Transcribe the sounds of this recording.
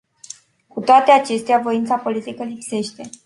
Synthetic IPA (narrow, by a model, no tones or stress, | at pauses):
kut̪oat̪e̞at͡ʃe̞st̪eavo̞int̪sapo̞lit̪ikəlipse̞ʃt̪e̞